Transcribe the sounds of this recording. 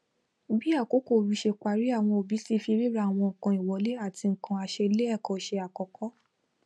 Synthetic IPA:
bi˦a˦˨ko˨˦ko˦˨ɾu˨˦ʃe˧k͡pa˨ɾi˦a˦˨w̃ɔ̃˧o˨bi˨˦si˦fi˧ɾi˦ɾa˦˨w̃ɔ̃˧ŋ̩˨kã˧i˨wɔ˨˦le˦a˦˨ti˧ŋ̩˨kã˧a˧ʃe˧le˦ɛ˦˨kɔ̃˨ʃe˧a˨kɔ˨kʰɔ˦

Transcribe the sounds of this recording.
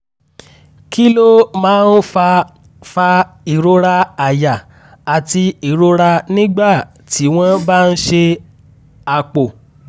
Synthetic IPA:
ki˦lo˦mãː˨˦n̩˦f | fa˧ | i˨ɾo˧ɾa˧a˨ja˨ | a˨ti˧i˨ɾo˧˦ɾa˧nĩ˦ɡ͡ba˦˨ | tʰi˨˦w̃ɔ̃˦ba˦˧n̩˦ʃe˧ | a˧k͡po˨

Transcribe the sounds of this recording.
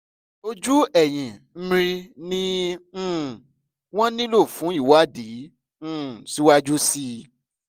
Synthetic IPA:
o˦d͡ʒu˦ɛ˦˨j̃ĩ˨m̩˦ɾ̃ĩ˧nĩ˦˨ | w̃ɔ̃˦nĩ˦lo˦˨fũ˨˦i˦˨wa˦˨dĩ˨˦ | si˨˦wa˦d͡ʒu˦si˦

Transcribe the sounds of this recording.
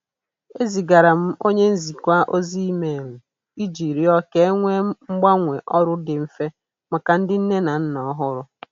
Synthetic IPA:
e˦zi˨ɡa˨ɾa˨m̩˦o˦ɲe˦n̩˦zi˨kʷa˦ʔo˦zi˦i˦me˨m̩˨ | i˦d͡ʒi˨ɾi˦ɔ˦ke˦ŋʷe˦ŋ͡m̩˦ɡ͡ba˦ŋʷe˨ʔɔ˦ɾʊ˦dɪ˨m̩˨fe˦ | ma˨ka˨n̩˦dɪ˦n̩˦ne˦na˨n̩˦nɔ˨˦ɦʊ˦ɾʊ˦

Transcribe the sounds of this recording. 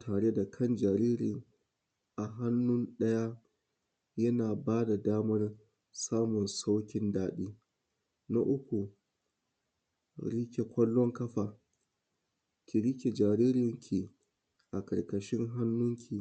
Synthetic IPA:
tʰaː˨ɽe˦da˨kʰɐ˦nd͡ʒaː˨ɾiː˦ɾɪ˨ŋ | ʔa˨ɦa˦nːʊ˦nɗɐ˦ja˦ | jɐ˦naː˨baː˦da˨daː˦mɐ˦r | saː˦mʊ˨nsa˦wkʲɪ˦ndaː˨ɗiː˦ | na̰˦ʔʊ˦kʷu˨ | ɽɪ˦kʲe˨kʷɐ˦lːɔ˦ŋkɐ˦ɸaː˨ | kʲi˨ɾɪ˦kʲe˨d͡ʒaː˨ɾiː˦ɾɪ˨ŋkʲʰi˨ | ʔa˨kɐ˨ɽkɐ˨ʃɪ˦ŋɦa˦nːʊ˦ŋkʲʰi˨

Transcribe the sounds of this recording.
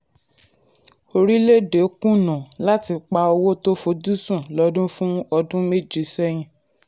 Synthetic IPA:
o˧ɾi˦le˦˨de˨˦kũ˦˨nã˨la˦ti˧k͡pa˧˦ɔ˧wo˦to˦fo˧du˦sũ˦˨lɔ˨˦dũ˦fũ˦ɔ˧dũ˦me˦˨d͡ʒe˨sɛ˦j̃ĩ˧

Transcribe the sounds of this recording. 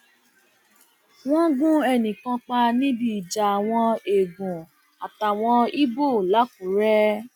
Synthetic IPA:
w̃ɔ̃˦ɡũ˦ɛ˧˨nĩ˨kã˧k͡pa˧nĩ˦bi˦˨i˨d͡ʒa˨a˨w̃ɔ̃˧e˨ɡũ˨ | a˨ta˨w̃ɔ̃˧i˦bo˦˨la˨˦k̚u˨˦ɾɛ˦

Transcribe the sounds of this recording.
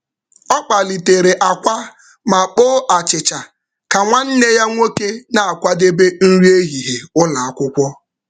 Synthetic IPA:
ɔ˦k͡pa˨li˨te˨ɾe˨ʔa˨kʷa˦ | ma˨k͡poː˦ʔa˨t͡ʃɪ˨t͡ʃa˨ | ka˨ŋʷa˦n̩˦ne˦ja˦ŋʷo˦ke˦na˦a˨kʷa˦de˦be˦n̩˦ɾi˦e˦ɦi˨ɦe˨ʊ˦la˨a˦kʷʊ˦kʷɔ˦

